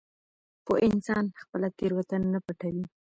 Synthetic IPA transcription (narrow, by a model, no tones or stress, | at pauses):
poʔɪnsɑnxpəlakeɾwat̪anaːapaʈawi